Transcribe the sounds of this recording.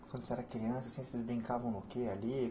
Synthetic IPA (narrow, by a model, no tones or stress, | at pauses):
kkwɐ̃nd̪ʊsɛɾɐkɾiɐ̃sasĩsɪzbɾĩŋkavɐ̃w̃nokeali